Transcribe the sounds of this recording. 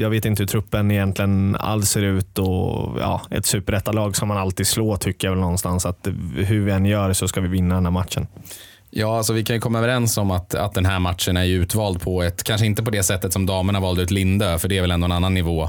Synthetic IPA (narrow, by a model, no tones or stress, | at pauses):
jɑːɡveːt̪ɪnt̪əhɵt̪ʰɾɵpːənɪjɛnt̪ʰlɪɡəna̰lseːɾʉ̟ːt̪ɔjɑ̰ːɛ̰t̪sʉ̟ːpəɾɛt̪ːad̪lɑːɡsɔmːanalt̪iːd̪̥sloːt̪ʰʏkːəjavɛlnɔnːst̪ansat̪ɦɵɾvɪɛnːjœːɾsɔskavɪvɪnːad̪ɛnhæːmat̪ʂən | jɑːalsɔvɪkʰanjɵkʰɔmːaœvɛɾɛnsɔmatt̪a̰t̪̚d̪ɛnɦæːɾmat̪ʂənæɾjʉ̟ːt̪vɑːld̪̚pʰɔɛt̪kʰanʂəɪnt̪əpɔd̪ɛsɛt̪ːət̪sɔmd̪ɑːməɳhaɾvɑːlt̪ʉ̟ːt̪lɪnd̪øfœɖɛːɾvɛlɛnd̪oɛnanːanːɪvoː